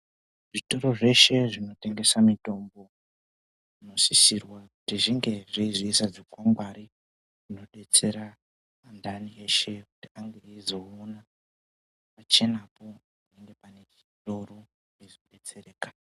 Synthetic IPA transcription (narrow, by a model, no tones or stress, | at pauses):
ʐito̞ɾo̞ʐe̞ʃe̞ʐino̞te̞ŋɡe̞samito̞mbo̞ | ʐino̞sisirwakutiʐiŋɡe̞ʐiiziisad͡zokwamɡwaɾi | ʐino̞ɗe̞t͡se̞ɾa | andʱanie̞ʃe̞kutiaŋɡe̞izo̞ona | pat͡ʃe̞napo̞ | neŋɡe̞pane̞t͡ʃito̞ɾo̞ | izoɗe̞t͡se̞ɾeːkḁ